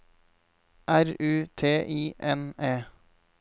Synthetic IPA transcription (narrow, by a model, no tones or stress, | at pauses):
ʔæɾʉːt̪ʰeːʔiːʔɛneː